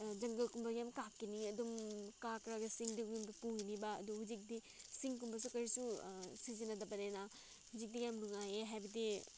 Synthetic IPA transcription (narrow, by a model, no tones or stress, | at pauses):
d͡ʒɐŋɡɐlkumbɐɡjamkap̚kiniɐdumkakɾaɡɐsiŋdiujumɡipuinibaɐ̰duhud͡ʒik̚di | siŋkumbɐs̬ukɐɾisusizinɐdɐbɐnena | huzik̚diɡjamnuŋajeɦajbɐdi